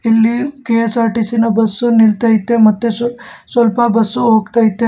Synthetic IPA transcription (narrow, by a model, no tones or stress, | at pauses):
elːikesaɾʈisinəbəsːonilt̪aɦit̪ːemɐt̪ːesosolpabəsuɦokt̪aɦit̪ːe